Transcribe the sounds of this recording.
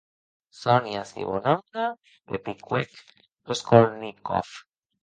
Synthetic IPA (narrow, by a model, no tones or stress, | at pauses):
sonjasḭβonand̪a | depikwek | oskoɾniko̰f